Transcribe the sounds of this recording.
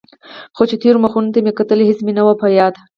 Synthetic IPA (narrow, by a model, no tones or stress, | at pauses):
xot͡ʃet̪ʰiɾmaxunt̪amekat̪əleɦɪsmenawapajɑːd̪